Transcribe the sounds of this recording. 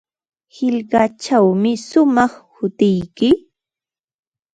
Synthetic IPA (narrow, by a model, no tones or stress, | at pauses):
hɪʎɢɑt͡ʃawmɪsʊmɑχhʊt̪ɪjkɪ